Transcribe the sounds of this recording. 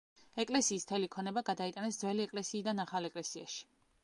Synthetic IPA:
ɛkʼlɛsiːst̪ʰɛlikʰɔnɛbaɡad̪ait̪ʼanɛsd̪zwɛliɛkʼlɛsiːd̪anaχalɛkʼlɛsiaʃi̥

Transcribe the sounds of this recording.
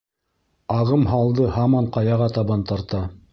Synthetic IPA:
ɑʁɤmɦɑlˠd̪ɤhɑmɑɴqɑjɑʁɑt̪ɑβɑnt̪ɑɾt̪ɑ

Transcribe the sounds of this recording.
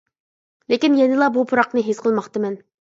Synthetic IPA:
lekʲinjɛnɪlˠɑbupʰuɾɑqnɨɦesqʰəlˠmɑχt̪ɨmɛn

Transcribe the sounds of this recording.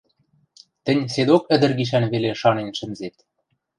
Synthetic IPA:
t̪ɘ̆nʲsed̪okə̆d̪ɘ̆rɡiʃ̬ænβeleʃɑnenʃɘ̆mzet̪

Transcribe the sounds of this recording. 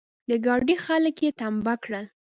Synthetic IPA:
d̪əɡɑɖixaləkjet̪ambakɽəl

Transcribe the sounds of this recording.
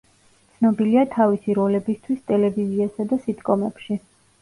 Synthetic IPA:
t̪sʰnɔbiliat̪ʰavisiɾɔlɛbist̪ʰwist̪ʼɛlɛviziasad̪asit̪ʼkʼɔmɛpʃi

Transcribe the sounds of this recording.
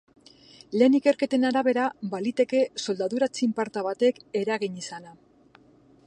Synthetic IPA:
le̞ːnike̞ɾke̞t̪e̞naɾaβe̞ɾabalit̪e̞ke̞so̞ld̪aðuɾat͡simpaɾt̪aβat̪e̞ke̞ɾaɣiɲisana

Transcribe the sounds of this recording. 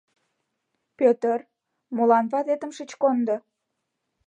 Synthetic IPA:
pøt̪ər | molɑnβɑt̪et̪ə̆mʃət͡ɕkond̪ŏ

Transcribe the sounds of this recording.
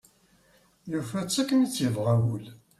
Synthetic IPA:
jufæt͡sːækːənit͡sːjəvʁæwəl

